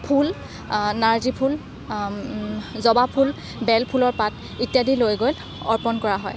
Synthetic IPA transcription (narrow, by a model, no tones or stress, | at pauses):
pʰul | naɹzipʰul | zɔbapʰul | bɛlpʰulɔɹpat | itjadilojɡol | ɔɹpɔnkɔɹaɦɔj